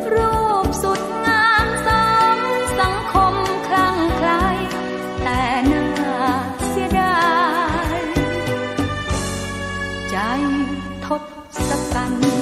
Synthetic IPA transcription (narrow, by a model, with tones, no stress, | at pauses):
ɾuː˧˥˩p̚su˨˩t̪̚ŋaː˧˥nsɔː˧˥msa˨˩˦ŋkʰo˧mkʰla˧˥˩ŋkʰɾa˦˥j | t̪ɛː˨˩nɤː˧˩t̪̚si˧da˧ | j | t͡ɕa˧˦˩jt̪ʰːo˦˥t̪̚ | sa˧ka˧n